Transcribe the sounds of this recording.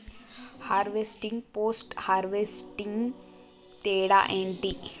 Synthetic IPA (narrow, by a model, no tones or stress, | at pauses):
haːɾʋeːsʈɪ̃ŋɡpoːsʈhaːɾʋesʈɪ̃ŋɡ | t̪eːɽa̰ʔẽːɳʈi